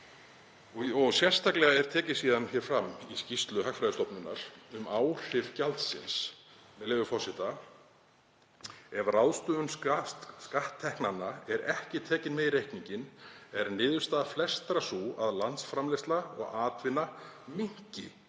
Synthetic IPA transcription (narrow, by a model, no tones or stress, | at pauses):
ɔɔɣsjɛr̥st̪ʰaklɛɣaɛɾ̥t̪ʰɛːcɪ̥siːðançɛːɾ̥fɾamːiscist̪lʏɦakfɾajðʏst̪ɔpnʏnːa̰ɾ̥ʏmaːwr̥ɪɾ̥calt̪sɪ̰ns | mɛðlɛːvʏfɔrsɪht̪a | ɛvrawðst̪ʏʏm | skaht̪ʰːɛhknanːaɛɾɛhcɪt̪ʰɛːcɪnmɛðiɾejhkniɲcɪnɛɾnɪːðʏ̥st̪aflɛst̪ɾasua̰ðlant̪sfɾamlɛst̪laɔ̰ɣaːt̪vɪnːamɪŋ̥cɪ̰